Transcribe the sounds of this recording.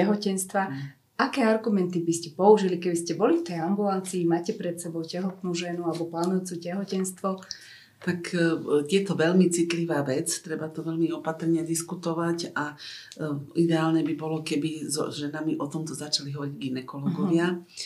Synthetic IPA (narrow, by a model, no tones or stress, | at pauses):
ɛɦɔcɛnst̪ʋa | akɛːaɾɡumɛnt̪ibiscɛpɔuʒilikɛbiscɛbɔlift̪ɛjambulant͡siːmaːcɛpɾɛt̪sɛbɔʊcɛɦɔt̪nuːʒɛnualɛbɔpalnɔjut͡suːcɛɦɔcɛnst̪ʋɔ | t̪akjɛt̪ɔʋɛʎmit͡sit̪liʋaːʋɛt͡st̪ɾɛbat̪ɔʋɛʎmiɔpat̪r̩ɲɛd̪iskut̪ɔʋaca | id̪ɛaːlnɛbibɔlɔkɛbizɔ̰ʒɛnamiʔɔt̪ɔmt̪ɔzat͡ʃaliɦɔɾiɟɡinɛkɔlɔɡɔʋɪa